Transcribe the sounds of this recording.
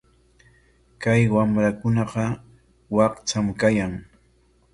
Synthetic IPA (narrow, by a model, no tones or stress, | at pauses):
kajwamɾakʊnɑqɑ | wɑqt͡ʃamkajaŋ